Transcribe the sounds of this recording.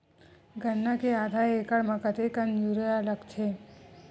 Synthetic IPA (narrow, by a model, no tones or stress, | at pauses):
ɡʱənːakeaːd̪ʱaekəɽmãkət̪ekənd͡ʒuɾəjaləɡt͡ʃʰe